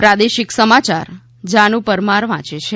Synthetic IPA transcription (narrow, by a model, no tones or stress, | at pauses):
pɾad̪eʃɪksəmat͡ʃa̰ɾ | d͡ʒãnũpəɾmaɾʋã̰t͡ʃet͡ʃʰe